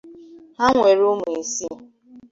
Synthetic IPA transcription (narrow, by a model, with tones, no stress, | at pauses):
ɦa˦ŋʷe˨ɾo˦mu˨e˨si˦